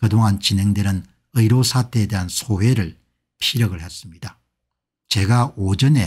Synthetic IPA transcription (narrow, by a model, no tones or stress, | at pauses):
kɯdoŋɦant͡ɕinɦe̞ŋdenɯn | ɯiɾosʰatʰe̞ːde̞ɦansʰowe̞ɾɯɭ | pʰiɾjʌɡɯɭhe̞s͈ɯmɲida | t͡ɕe̞ɡaod͡ʑʌne̞